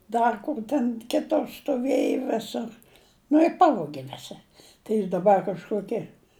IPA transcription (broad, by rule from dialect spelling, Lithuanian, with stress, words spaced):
ˈdɐr kʊr tʲɛn ˈkʲɪtʊr stʊˈʋʲeːjʊ ˈʋʲɪsʊr nʊ ɪ ˈpɑːʋoːɡʲɪ ˈʋʲɪsʲɪ tɐɪ ˈjɪs dɐˈbɐr kɐʃˈkoːkʲɪ